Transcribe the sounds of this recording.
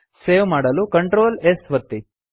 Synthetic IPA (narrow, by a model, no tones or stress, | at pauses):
seːʋmaːɽɐlukɐɳʈɾoːlesʋɐt̪ːi